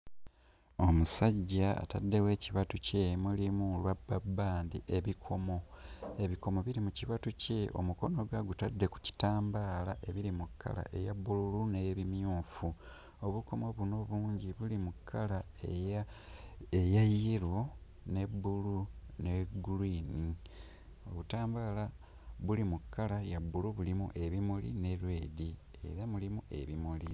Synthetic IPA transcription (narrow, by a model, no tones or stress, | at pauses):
o̞musaɟːaa̰tadːe̞we̞ːciβatuce̞mulimulwabːabːaːndḭʔe̞βikʰo̞mo̞e̞βiko̞mo̞βiɾimuciβatuce̞ʔo̞̰muko̞no̞ɡaɡutadːe̞ku̥ci̥taːmbaːla̰ʔe̞βiɾimukʰːa̰la̰ʔe̞jabːululuneβimjuːfu | o̞βukomo̞βuno̞βuːɲɟiβulimukʰːalae | ejajiɾwo̞ | ne̞bːuluneɡuliːni | oβutaːmbaːla | βulimukʰːalajabːuluβulimṵʔe̞βimulḭne̞ɾwe̞ːdi | e̞̰ɾamulimuʔe̞̰βimuli